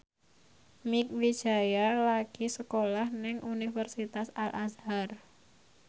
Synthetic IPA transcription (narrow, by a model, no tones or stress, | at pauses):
mik̚wid̥ʒ̥a̤jalaɡ̥isəkolahnɪŋʔunifərsit̪asalʔazhar